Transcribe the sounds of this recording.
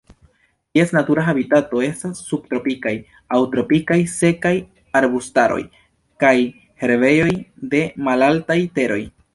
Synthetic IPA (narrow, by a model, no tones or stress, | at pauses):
tie̞snatuɾaɦabitato̞e̞stasːub̚t̪ɾo̞pikaj | awtɾo̞pikajse̞kaj | aɾbustaɾo̞̰j | kaj | he̞ɾve̞jo̞jde̞malaltajte̞ɾo̞̰j